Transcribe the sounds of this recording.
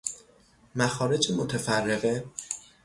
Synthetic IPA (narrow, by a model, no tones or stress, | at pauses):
mæxɒːɾe̞d͡ʒemot̪ʰæfærːe̞ɣe